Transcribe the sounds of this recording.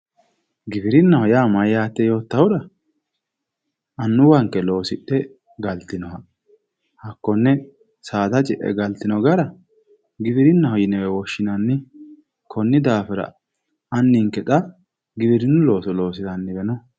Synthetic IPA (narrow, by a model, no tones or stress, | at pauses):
ɡɪfɪɾɪnːɐhɔjaːmɐjjaːt̪ːɛjo̞ːt̪ːɐwʊd̪ɐ | ɐnːʊwɐŋkːɛlo̞ːsɪtːɛ | ɡɐlt̪ɪnɔhɐ | hɐkːɔnːɛ | saːt̪ɐt͡ʃʼɪʔɛ̰ɡɐlt̪ɪnɔɡɐɾɐ | ɡɪfɪɾɪnːɐhɔjɪnɛwɛwɔʃːɪnɐnːɪ | kʰɔnːɪd̪aːfɪɾɐ̰ | ɐnːɪŋkɛt̪ʼɐ | ɡɪbɪɾɪnːʊlo̞ːsɔlo̞ːs̬ɪzɐnːɪbɛnɔ